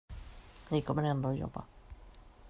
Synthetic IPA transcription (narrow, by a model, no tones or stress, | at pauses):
liːkːomɛnɛnd̪oːjo̰bɑ̰